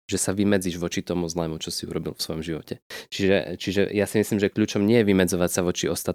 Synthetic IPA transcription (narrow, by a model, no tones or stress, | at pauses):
ʒ̥ɛsaʋimɛd͡ziʒʋɔt͡ʃit̪ɔmuzlɛmut͡ʃɔsiṵɾɔbilfsʋɔjɔmʒiʋɔ̰cɛt͡ʃiʒɛ̰t͡ʃiʒɛ̰jasimislimʒɛkʎuːt͡ʃɔmɲɪɛjɛʋimɛd͡zɔʋacsaʋɔt͡ʃiɔst̪at̪